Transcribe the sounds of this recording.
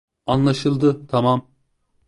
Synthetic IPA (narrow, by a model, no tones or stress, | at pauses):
anlˠaʃɯlˠd̪ɯt̪ʰamam